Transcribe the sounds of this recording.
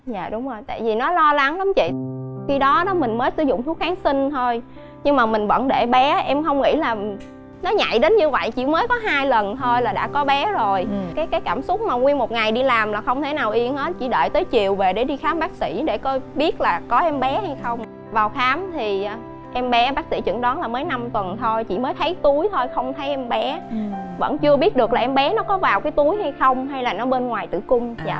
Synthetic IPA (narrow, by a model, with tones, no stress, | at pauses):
za̰ː˧˨ɗʊ˨˦ŋ͡mzo˨˩jt̪a̰ː˧˨jvi˨˩nɔ˨˦lɔ˧la˨˦ŋla˨˦mt͡ɕḭ˧˨xi˧ɗɔ˨˦ɗɔ˨˦mï˨˩ŋ̟məː˨˦jsɨ˨˧˩zʊ̰˧˨ŋ͡mt̪ʰu˦˥ək̚xaː˨˦nsï˧ŋ̟t̪ʰo˧j | ɲɨ˧ŋmaː˨˩mï˨˩ŋ̟və̰˧˥nɗe˧˩ɓɛ˨˦ʔɛ˧mxə˧wŋ͡mŋḭ˧˥laː˨˩ | nɔ˨˦ɲa̰˧˨jɗe˨˦nɲɨ˧və̰˧˨jt͡ɕḭ˧˩məː˨˦jkɔ˨˦ɦaː˧jlə˨˩nt̪ʰo˧jlaː˨˩ɗa̰ː˧˥kɔ˨˦ɓɛ˨˦zo˨˩jkaː˨˦jkaː˨˦jkaː˧˩msʊ˦˥k͡p̚maː˨˩ŋwi˧ənmo˨˩t̚ŋa˨˩jɗi˧laː˨˩mlaː˨˩xə˧wŋ͡mt̪ʰe˧˩naː˨˩wʔi˧ənʔəː˨˦t͡ɕḭ˧˩ɗə̰ː˧˨jt̪əː˨˦jt͡ɕi˨˩əwve˨˩ɗe˧˩ɗi˧xaː˨˦mɓaː˦˥k̚sḭ˧˩ɗe˧˩kɔ˨˦ɓi˦˥ət̚laː˨˩kɔ˨˦ʔɛ˧mɓɛ˨˦ha˧jxə˧wŋ͡m | vaː˨˩wxaː˨˦mt̪ʰi˨˩˨ | ʔɛ˧mɓɛ˨˦ɓaː˦˥k̚sḭ˧˥t͡ɕɨ̰˧˥ŋɗɔ˨˦nlaː˨˩məː˨˦jna˧mt̪wə˨˩nt̪ʰo˧jt͡ɕḭ˧˨məː˨˦jt̪ʰə˨˦jt̪u˨˦jt̪ʰo˧jxə˧wŋ͡mt̪ʰə˨˦jʔɛ˧mɓɛ˨˦və̰˧˥nt͡ɕɨ˧əɓi˦˥ət̚ɗɨ˨˩ək̚laː˨˩˨ʔɛ˧mɓɛ˨˦nɔ˨˦kɔ˨˦vaː˨˩wkaː˨˦jt̪u˨˦jɦa˧jxə˧wŋ͡mɦa˧jlaː˨˩nɔ˨˦ɓe˧nŋwaː˨˩jt̪ɨ̰˧˩kʊ˧ŋ͡ma̰ː˧˨